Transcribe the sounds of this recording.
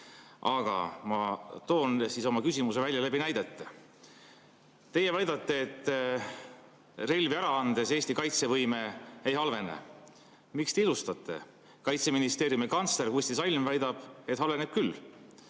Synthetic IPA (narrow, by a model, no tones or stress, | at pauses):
ʔɑɡ̥ɑ̰mɑt̪o̞ːnsiso̞mɑkysʲimuse̞vælʲjɑlæbinæjd̪̥et̪ːe | t̪e̞jevɑjd̪ɑt̪ːˑeːt̪ːˑ | re̞lʲviæɾɑɑnd̪̥e̞se̞ːsʲt̪ikɑjt̪se̞vɤjme̞ːejhɑlve̞nḛ | mikst̪e̞ilust̪ɑt̪ːˑe̞̰ | kɑjt̪se̞minist̪e̞ːɾjumikɑnt̪slerhusʲt̪isɑlʲmvæjd̪̥ɑb̥e̞t̪hɑlve̞neb̥̚kylː